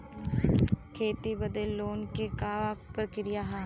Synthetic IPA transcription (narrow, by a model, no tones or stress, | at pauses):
kʰeːt̪ibəd̪elːoːnkekaːʋapɾəkɾɪjaɦaː